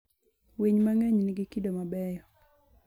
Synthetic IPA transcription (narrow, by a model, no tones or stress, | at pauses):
wiɲmaŋeɲnɪɡikidomabɛjɔ